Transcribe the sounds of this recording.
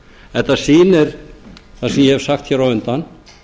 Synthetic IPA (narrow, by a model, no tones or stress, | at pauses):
ɛt̪asiːnɪɾ̥θasɛmjɛhɛv̥saxt̪çɛːɾaʏnt̪an